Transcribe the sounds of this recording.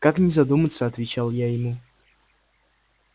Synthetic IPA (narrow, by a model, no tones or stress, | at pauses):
kaknʲɪzɐd̪umət̪səɐt̪vʲɪt͡ɕalˠjajɪmu